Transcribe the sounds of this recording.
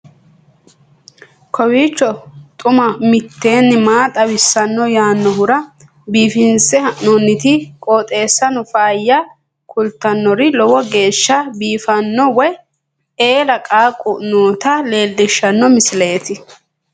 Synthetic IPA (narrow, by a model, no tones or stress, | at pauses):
kʰɔwiːt͡ʃːɔt̪ʼʊmɐmɪt̪ːe̞ːnːɪmaːt̪ʼɐwɪsːɐnːɔjaːnːɔhʊɾɐ | biːfɪnsɛhɐʔnonːɪt̪ɪkʼoːt̪ʼe̞ːsːɐnɔfaːjːɐ | kʰʊlt̪ːɐnːɔɾɪlɔwɔɡe̞ːʃːɐbiːfɐnːɔwɔj | eːlɐkʼaːkʼʊnoːt̪ɐle̞ːld̪ɪʃːɐnːɔmɪsɪleːt̪ɪ